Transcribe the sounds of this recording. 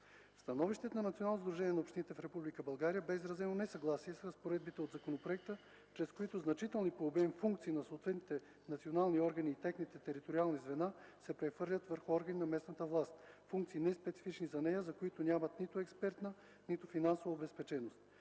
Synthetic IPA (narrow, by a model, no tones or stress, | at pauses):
fst̪ɐnɔviʃt̪ɛt̪nɐnɐt̪ʲionalˠnozd̪ɾuʒɛniɛnɐopʃt̪init̪ɛfɾɛpublikəbɐlˠɡaɾijəbɛizɾɐzɛnonɛsɐɡlˠasiɛsɾɐspoɾɛd̪̚bit̪ɛod̪zɐkonopɾoɛk̚t̪ə | t͡ʃɾɛskoit̪ʊznɐt͡ʃit̪ɛlˠnipoːbɛmfuŋkt̪siːnɐsoːt̪vɛt̪nit̪ɛ | nɐt̪sionalˠniɔɾɡɐniːt̪ɛxnit̪ɛt̪ɛɾit̪oɾialˠnizvɛnasɛpɾɛxvɤɾlʲət̪vəɾxʊɔɾɡəninɐmɛsnət̪əvlˠast̪̚fũŋkt̪siːnɛspɛt̪si̥fit͡ʃnizɐnɛjəzɐkoit̪onʲamɐt̪nit̪oɛkspɛɾt̪nə | nit̪ofinansovɐobɛspɛt͡ʃɛnost̪̚